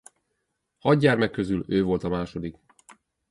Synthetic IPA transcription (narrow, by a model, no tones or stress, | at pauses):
hɒd̪ɟaːrmɛkːø̞zyløːvo̞lt̪ɒmaːʃo̞d̪ik